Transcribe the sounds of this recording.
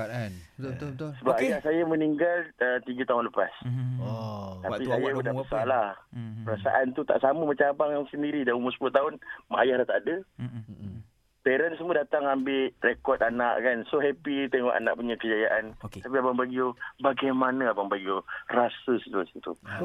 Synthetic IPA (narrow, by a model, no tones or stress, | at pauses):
səbapajahsajaməniŋɡalət̪iɡət̪aɦʊnləpa̰s | t̪apisajabudahbəsalahpəɾasa̰ʔant̪ut̪a̰ʔsaməmat͡ʃaabaŋsəndiɾidaumʊsəpulaht̪aʊnmaajahdat̪aʔdə | peɾənsmuədat̪aŋambɪʔrekɔt̪anaʔkansoɦɛpit̪eŋɔʔa̰na̰ʔ̚puɲakəd͡ʒajaʔant̪ap̬iabaŋbaɡiobaɡajmanəabaŋbaɡiorasəsət̪uasit̪ṵ